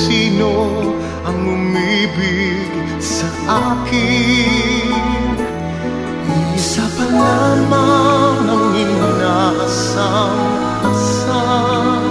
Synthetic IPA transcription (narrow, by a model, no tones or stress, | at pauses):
siːno | ɐŋːʊmibɪ | ɡ | sɐʔʔaːkɪi | isapɐlamaŋɐŋɪnasaaas | a